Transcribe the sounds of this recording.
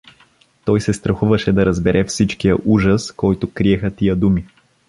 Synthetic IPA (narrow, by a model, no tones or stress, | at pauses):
t̪ɔjsɛst̪ɾɐxuvəʃɛd̪ɐɾɐzbɛɾʔɛfsit͡ʃkijəʔuʒəskɔjt̪ʊkɾiɛxət̪ijəd̪umi